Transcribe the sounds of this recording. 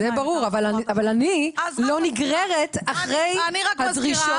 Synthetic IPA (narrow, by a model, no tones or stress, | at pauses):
zebaʁuʁavalaavalanilo̞niɡʁeʁet̪aχʁejhadʁiʃo